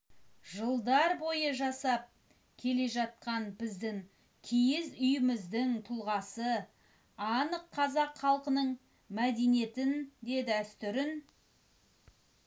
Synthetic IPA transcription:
ʒəlˠd̪ɑɾbo̞jəʒɑsɑp̚ | kʲʰe̞le̞ʒɑt̪̚qɑnbɪzd̪ɪŋ | kʲʰijɪzʏjɪmɪzd̪ɪŋt̪ʰʊlˠʁɑsə | ɑnəqʰːɑzɑqχɑlˠqənəɴ | mæd̪e̞nije̞t̪ɪnd̪e̞d̪ɪæst̪ʏɾɪn

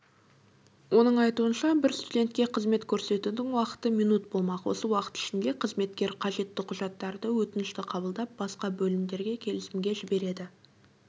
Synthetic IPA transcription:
wʔo̞nəɴɑjt̪uənʃɑbɪɾst̪ud̪e̞nt̪kʲe̞qʰəzme̞t̪kʲʰɵɾse̞t̪ud̪ɪŋwɑqə̥t̪əmijnut̪bo̞lˠmɑqwʔo̞̰səwɑqə̥t̪ɪ̥ʃɪnd̪e̞qʰəzme̞t̪kʲe̞ɾqʰɑʒe̞t̪ːɪqʰʊʒɑt̪ːɑɾd̪əwɵt̪ɪnɪʃt̪ɪqʰɑbəlˠd̪ɑp̚bɑsqɑbɵlɪmd̪e̞ɾɡʲe̞kʲʰe̞lɪsɪmɡʲeʒɪbe̞ɾe̞d̪ɪ

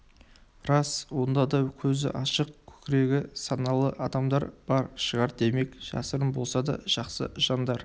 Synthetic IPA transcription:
rɑswo̞nd̪ɑd̪ɑwkʲʰɵzɪ̰ʔɑʃəq̚kʲʰɵ̥kʲɪɾe̞ɡʲɪsɑnɑlˠə̰ʔɑd̪ɑmd̪ɑ̰ɾb̥ɑɾʃəʁɑɾd̪e̞me̞kʒ̥ɑ̰səɾəmbo̞lˠsɑd̪ɑ̰ʒ̥ɑqsə̰ʒ̥ɑnd̪ɑɾ

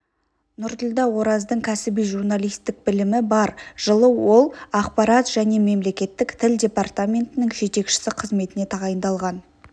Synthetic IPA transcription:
nʊɾd̪əlˠd̪ɑwo̞ɾɑzd̪əɴkʲʰæsɪbijʒuɾnalˠijst̪ɪk̚bɪlɪmɪbɑɾʒ̥əlˠəwo̞lˠɑqpɑɾɑt̪ʒ̥æne̞me̞mle̞kʲe̞t̪ːɪkt̪ʰɪldʲe̞part̪amʲe̞nt̪ɪnɪŋʒe̞t̪e̞kʃɪ̥sɪqʰəzme̞t̪ɪne̞t̪ʰɑʁɑjənd̪ɑlˠʁɑn

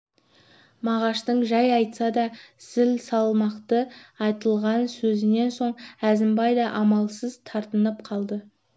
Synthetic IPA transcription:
mɑʁɑʃt̪əɴʒɑjɑjt̪sɑd̪ɑsɪlsɑlˠmɑqt̪əɑjt̪əlˠʁɑnsɵzɪne̞nso̞ɴæzɪmbɑjd̪ɑʔɑmɑlˠsəzt̪ʰɑɾt̪ənəpqʰɑlˠd̪ə

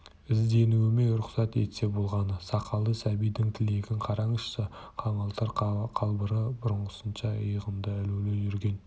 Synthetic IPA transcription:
ɪzd̪e̞nuwɪme̞ɾʊqsɑt̪e̞̰t̪se̞bolˠʁɑnəsɑqʰɑlˠd̪əsæbijd̪ɪŋt̪ʰɪle̞kʲɪɴqʰɑɾɑɴəʃsəqʰɑmɑlˠt̪ɑɾqʰɑlˠbəɾəbʊɾəɴʁəsənʃɑəjəʁəmd̪əælewleʒʏɾɡʲe̞n

